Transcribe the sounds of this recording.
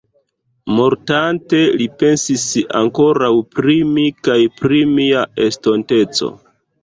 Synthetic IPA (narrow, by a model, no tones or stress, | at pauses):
mo̞ɾtante̞lipe̞nsisa̰ŋko̞ɾawpɾimikajpɾimiae̞sto̞nte̞t͡so̞̰